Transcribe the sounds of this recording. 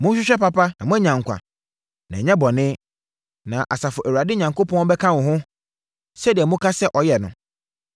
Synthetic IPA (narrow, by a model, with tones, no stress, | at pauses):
mʊ̃˦ɕᶣɪ˦ɕᶣɛ˦pa˦pa˦nã˨mʊ̃˦æ˦ɲã˨ŋ˨kʷa̰˨ | nã˨ɲɛ̃˦bɔ˨nɪ̃˦ | nã˨ʔa˨sa˨fʊ˨ʔæ˨wa˨dɪ˦ɲã˨ŋko˦pɔ̃˦n˦bɛ˦kʰã˦wʊ̃˨ɦʊ̃˦ | sɛ˦di˨ɛ˨mʊ̃˦kʰa˦sɛ˦ʔɔ˨jɛ˨nʊ̰̃˨